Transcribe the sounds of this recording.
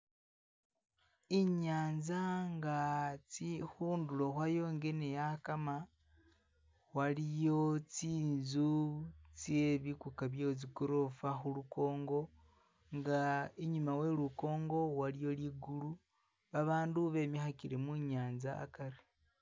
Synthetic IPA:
iɲaːnzaŋɡat͡sixuːndulo̞xwajo̞ːŋɡe̞ne̞jakama | walijo̞t͡siːnzut͡sje̞βikukaβjot͡s̬ikuɾofaxuluko̞ːŋɡo̞ | ŋɡaeɲumawe̞luko̞ːŋɡo̞walijo̞liːɡulu | aβaːnduβe̞mixakiɾemuɲaːnza̰ːkaɾi

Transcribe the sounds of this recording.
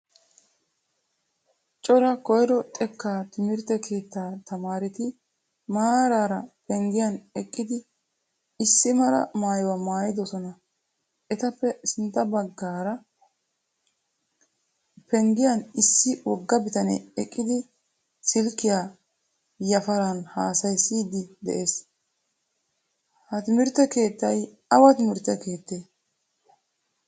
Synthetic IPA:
t͡ʃʼɔɾɐkɔjɾɔt̪ʼɛkːaːt̪ɪmɪɾt̪ɛkʰe̞ːt̪ːaːt̪ɐmaːɾɪt̪ɪ | maːɾaːɾɐpɛŋɡɪjɐnɛkʼːɪd̪ɪː | sːɪmɐɾɐ̰maːjwɐmaːjɪd̪ɔsɔnɐ | ʔɛt̪ɐpːɛsɪnt̪ːɐbɐɡːaːɾɐ | pɛŋɡɪjɐnɪsːɪwɔɡːɐbɪt̪ɐnɛ̰ɛkʼːɪd̪ɪ | sɪlkːɪja | jɐfɐɾɐnhaːsɐjsiːd̪ɪd̪ɛ̰ʔeːs | hɐt̪ɪmɪɾt̪ːɛke̞ːt̪ːɐj | ɐwɐt̪ɪmɪɾt̪ːɛke̞ːt̪ːeː

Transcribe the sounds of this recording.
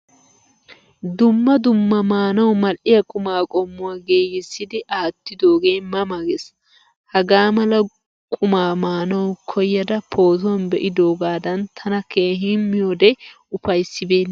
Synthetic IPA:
d̪ʊmːɐd̪ʊmːɐmaːnɐwmɐlʔɪjɐkʼʊmaːkʼɔmːʊwaːɡeːjɪsːɪd̪ɪʔaːt̪ːɪd̪oːɡe̞ːmɐmɐɡes | hɐɡaːmɐlɐ | kʼʊmaːmaːnɐwkʰɔjːɐd̪ɐpʰo̞ːt̪̬ɔnbɛʔɪd̪o̞ːɡaːd̪ɐnt̪ʰɐnɐkʰe̞ːɦiːnmɪjoːd̪ɛ | ʊfɐjsːɪbeːnː

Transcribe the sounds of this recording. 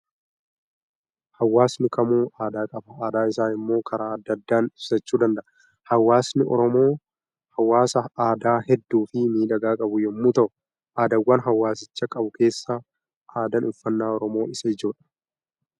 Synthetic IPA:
hɐwːaːsnɪkʰɐmuːaːd̪aːkʼɐbɐaːd̪aːɪsaːnɪmːo̞ːkʰɐɾʔaːɐd̪ːɐd̪ːaːnɪbsɐt͡ʃːuːd̪ɐnd̪ɐʔɐ | hɐwːaːsnɪɔ̰ɾɔmo̞ː | hɐwːaːsɐaːd̪aːhɛd̪ːuːfɪmiːᶑɐɡaːkʼɐbʊjɛmːuːt̪ɐʔʊ | ʔaːd̪ɐwːɐnɦɐwːaːsɪt͡ʃːɐkʼɐbʊke̞ːsːa | ʔaːd̪ɐnʊfːɐnːaːɔɾɔmo̞ːɪsɐɪd͡ʒoːᶑɐ̥

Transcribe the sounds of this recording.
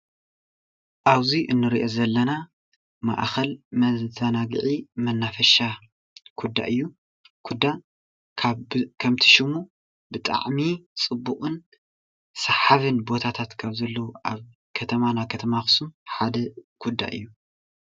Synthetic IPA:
ʔaβziʔɨnːɨɾiʔo̞zɐlːɐna | ma̰ʔxɐlmɐzanaɡʕimɐnːafɐʃa | kʰud̪ːa̰ʔɨjːu | kʰud̪ːa | kʰaβkʰɐmt̪ʰi̥ʃɪmu | bɨt̪ʼa̰ʕmit͡sʼɨbːukʼɨn | sɐħaβɨnbo̞t̪ʰat̪ʰat̪kʰaβzɐlːɐwuʔaβ | kʰɐt̪ʰɐmanakʰɐt̪ʰɐmaxsumħad̪ɐkʰud̪ːa̰ʔɨ̰jːu

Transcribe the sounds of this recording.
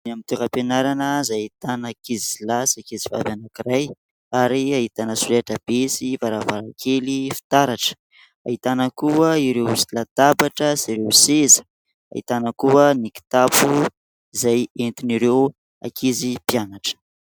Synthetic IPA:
namint̪eɾəpenaɾanəzajt̪anakizizilasakeziva̰banakiɾaj | aɾiait̪anəsuleʈ͡ʂəb̥esivaɾavaɾakʰelifi̥t̪aɾaʈ͡ʂə̥ | a̰ɦit̪anəkuəiɾewzilat̪abaʈ͡ʂəsiɾewsezə̥ | a̰ḭt̪anəkuəniki̥t̪apu | izajent̪iniɾew | a̰kʰizipianaʈ͡ʂə̥

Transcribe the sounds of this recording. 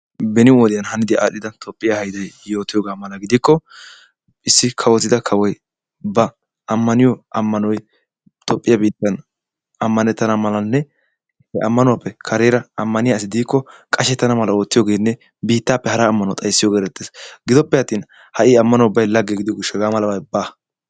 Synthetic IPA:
bɛnɪɔd̪ɪjɐnhɐnɪd̪ɪa̰ːɗɪd̪ɐt̪ʼɔpʼːɪjahɐjd̪ɐjjo̞ːt̪ːɪjoːɡaːmɐlɐɡɪd̪ɪkːɔ | ʔɪsːɪkʰɐwɔt̪ːɪd̪ɐkʰɐwɔj | bɐ | ɐmːɐnɪjɔɐmːɐnɔj | t̪ʼɔpʼːɪjɐbiːt̪ːɐn | ɐmːɐnɛt̪ːɐnɐmɐlɐnːɛ | hɛʔɐmːɐnʊwapːɛkʰɐɾeːɾɐɐmːɐnɪjaɪs̬ɪd̪iːkːɔkʼɐʃɛt̪ːɐnɐmɐlɐo̞ːt̪ːɪjoːɡe̞ːnːɛ | biːt̪ːaːpːɛhɐɾaːmːɐnɔt̪ʼɐjsːɪjoɡeːɾɛt̪ːeːsɡɪd̪ɔpːɛjɐt̪ːiːn | hɐʔɪːɐmːɐnɔʊbːɐjlɐɡːeɡɪd̪ɪɡʊʃɛɡaːmɐlɐbɐjbaː

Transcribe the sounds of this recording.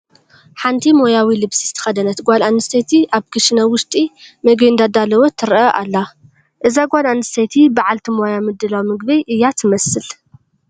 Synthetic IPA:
ħant̪ʰimo̞jawilɨβsizɨt̪ʰɐ̥xɐd̪ɐnɐt̪ɡʷalanɨst̪ʰet̪ʰiʔaβkʰɨʃɨnɐwʊʃt̪ʼimɐɡnd̪ad̪alɐwot̪ʰːɨɾʔɐʔa̰lːa | ʔɨzaɡʷalanɨst̪et̪ʰibaʕalt̪ʰimojamɨd̪ːɨlawmɨɡbɐjʔɨjːat̪ʰɨmɐsːɨl

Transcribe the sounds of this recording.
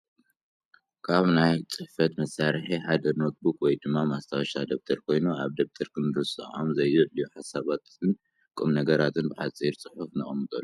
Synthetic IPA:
kʰaβnajt͡sʼɨħfɐt̪mɐsːaɾħiħad̪ɐɾno̞t̪̚ʰbukwɔjd̪ɨmːamast̪ʰawɐʃad̪ɐβ̚t̪ʰɐɾkʰo̞jnuaβd̪ɐβt̪ʰɐɾkʰɨnd̪ɨɾɨsʼɨʔomzɐjzɨljuħasaβat̪ɨn | kʼɨmnɐɡɐɾat̪ʰɨnbɨħat͡sʼiɾt͡sʼɨħufnɨχʼɐmːɨt̪ʼɐlːu

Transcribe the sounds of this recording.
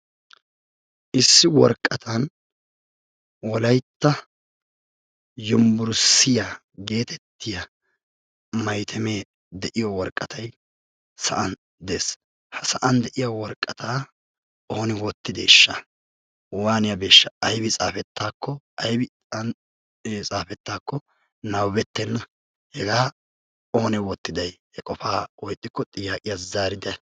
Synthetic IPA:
ʔɪsːɪwɔɾkʼːɐt̪ʰɐn | wɔlɐjt̪ːɐ | jʊmbʊɾsːɪja | ɡe̞ːt̪ʰɛt̪ːɪjɐ | mɐjt̪ʰɛme̞ː | d̪ɛʔɪjɔwɔɾkʼːɐt̪ʰɐj | sɐʔɐn | d̪eːs | hɐsɐʔɐnd̪ɛʔɪjɐwɔɾkʼːɐt̪ʰaː | oːnɛwɔt̪ːɪd̪eʃːɐ | waːnɪjɐbe̞ːʃːɐɐjbɪt͡sʼaːfɛt̪ːaːkːɔ | ɐjbɪ | t͡sʼaːfɛt̪ːaːkːɔ | nɐwbɛt̪ːɛnɐ | hɛɡaː | oːnɛwɔt̪ːɪd̪ɐjhɛkʼɔfaːwɔjt̪ʼːɪkːɔt̪ʼɪjaːkʼɪjazaːɾɪd̪ɛ

